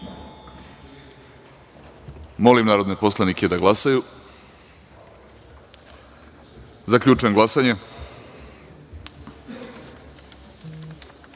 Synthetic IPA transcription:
mo̞limnaːɾo̞d̪nepo̞slˠaniked̪aɡlˠasaju | zakʎuːt͡ʃujeŋɡlˠasaɲe

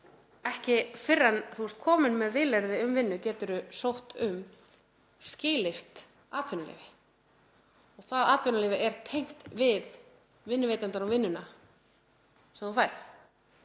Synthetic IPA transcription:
ɛhcɪfɪrːanθust̪kʰɔːmʏnmɛðvɪːlɛɾðɪʏmvɪnːʏcɛːt̪ʏɾʏsowht̪ʏm | scɪːlɪst̪ | aːt̪fɪnalɪ̰ːvɪ | ɔɣθaðaːt̪vɪnalɪːvɪɛɾ̥t̪ʰejŋ̥t̪vɪð | vɪnːʏvejt̪ant̪aɾuvɪnːʏna | sɛmθufajɾθ

